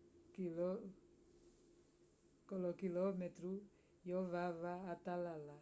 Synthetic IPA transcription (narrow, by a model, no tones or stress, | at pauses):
kilɔ | kɔlɔkilɔmɛtɾu | jɔvavaːtalala